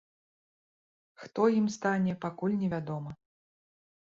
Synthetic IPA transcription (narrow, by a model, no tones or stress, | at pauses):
xt̪ɔjimst̪anʲɛpakulʲnʲɛvʲad̪ɔmɐ